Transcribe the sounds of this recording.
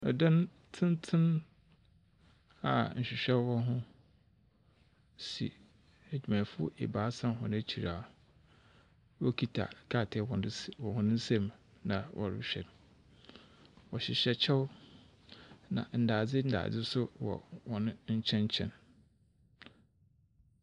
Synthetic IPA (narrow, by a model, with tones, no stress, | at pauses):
ɔ˨dã˦n | tʰɪ̃˦ntʰɪ̃˦n | a̰˨ɲ̩˨ɕᶣɪ˨ɕᶣɛ˦wɔ˦ɦʊ̃˦ | sḭ˨ | æ˨d͡ʑᶣi˨mã˨fʊ˦ḛ˨baː˨˦sã˦mɦɔ̃˨nã˦t͡ɕʰi˨ɾaː˨ | wɔ˦kʰi˦tʰa̰˨kʰa˦˨tʰɛ˨wɔ̃˨˦wɔ̃˨hʊ̃˦nʊ̃˦n̩˦sɛ̃˦m | nã˨wʔɔ̰˨ɾɪ̰˦ɕᶣɛ̰˨nʊ̃˨ | wɔ˨ɕɪ˨ɕᶣɛ˨t͡ɕʰɛ˦w | nã̰˨n̩˨daː˨d͡zɪ˦n̩˦da̰ː˨d͡zɪ˦sʊ˦wɔ̰˨wɔ˨nʊ̃˦ɲ̩˦t͡ɕʰɛ̃˦ɲ˦t͡ɕʰɛ̰̃˦n